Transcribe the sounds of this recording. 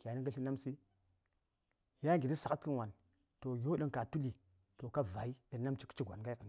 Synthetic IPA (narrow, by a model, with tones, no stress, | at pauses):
kʲa˨˦ni˦ŋɡə˦ɬi˦na˦msi˦ | ja˦˨ɡi˨di˦sa˨ka˦tkə˦nwa˨n | to˨jo˦ɗə˦ŋka˨tu˦li˨ | to˨ka˦va˨i˦ɗə˨na˦mt͡ʃi̥˦kt͡ʃi˦ɡʷa̰˨n˨ɡa˦kə˨n˦